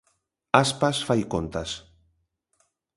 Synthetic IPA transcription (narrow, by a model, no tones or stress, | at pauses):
aspasfajkont̪as